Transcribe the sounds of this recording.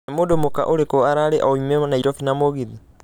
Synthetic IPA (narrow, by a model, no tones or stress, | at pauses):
emodomoka̰ʔoɾekoaɾaɾeʔaomɛmanaiɾɔfinamoɣiði